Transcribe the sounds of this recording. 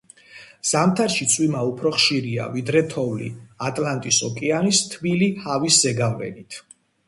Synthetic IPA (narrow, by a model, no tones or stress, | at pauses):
z̥amt̪ʰaɾʃit̪sʼwimaupʰɾɔχʃiɾia̰vid̪ɾɛt̪ʰɔvlḭat̪ʼlant̪ʼisɔkʼɛanist̪ʰvilihaviszɛɡavlɛ̰nit̪ʰ